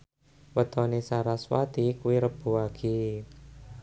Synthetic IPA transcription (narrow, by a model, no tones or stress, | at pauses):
wət̪ɔnesaɾaswa̰t̪ikuwiɾəb̥ṳaɡ̥i